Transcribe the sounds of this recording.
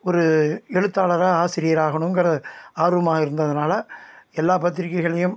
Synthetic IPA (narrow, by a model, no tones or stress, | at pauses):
ɔɾɯɛɻɯt̪ːaːɭɐɾaːaːsɪɾɪjɐɾaːɣɐɳɯmɛŋɡɐɾɐðɯaːɾɯʋɐmaːɣɐɪɾɯnd̪ɐðɐnaːlɐɛlːaːpɐt̪ːɪɾɪkːɐɪɣɐɭɐjɯm